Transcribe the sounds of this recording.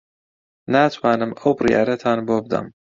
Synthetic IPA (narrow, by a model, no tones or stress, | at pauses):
naːt̪ʰwaːnɨmʔɐwbɨrija̰ːɾɐt̪ʰaːnboːbɨd̪ɐ̰m